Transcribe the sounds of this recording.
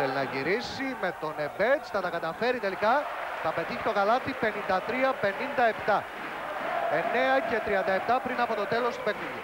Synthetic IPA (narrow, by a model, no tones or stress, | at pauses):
elinɐʝiɾisime̞t̪o̞ne̞ve̞t͡st̪ɐt̪ɐkɐt̪ɐfe̞ɾit̪e̞likɐt̪ɐpe̞t̪içi̥t̪o̞kɐlɐt̪ipe̞nind̪ɐt̪ɾiɐpe̞nind̪ɐe̞pt̪ɐ | e̞ne̞ɐce̞t̪ɾiɐnd̪ɐept̪ɐpɾinɐpo̞t̪o̞t̪e̞lo̞st̪upeniðu